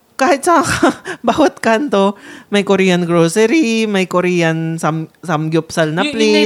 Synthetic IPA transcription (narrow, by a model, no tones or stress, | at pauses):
kaːhɪt̪̚sɐŋakbaːwɐt̪̚kant̪omɐjkoɾiːjɐnɡɾoːsɛɾimɐjkoɾiːjɐnsɐmsɐmɡjʊpsɐlnɐpli